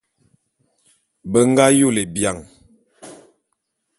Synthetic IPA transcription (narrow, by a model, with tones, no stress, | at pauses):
bə˦ŋ˦ɡa˦ju˦˨le˨bja˨ŋ